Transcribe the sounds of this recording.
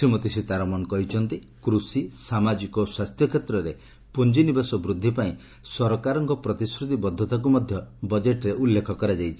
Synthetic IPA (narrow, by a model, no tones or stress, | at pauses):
sɾimɔt̪isit̪aɾɔmɔnɔkɔɦit͡ʃʰɔnt̪i | kɾusisamad͡ʒikɔswast̪ʰjɔkʰjet̪ɾɔɾe | pund͡ʒinibasɔbɾud̪ʱːipaĩ | sɔɾɔkaɾɔŋkɔpɾɔt̪isɾut̪ibɔd̪ʱːɔt̪ak̬umɔd̪ʱjɔbɔd͡ʒeʈɾeʔulːekʰɔkɔɾad͡ʒajt͡ʃʰi̥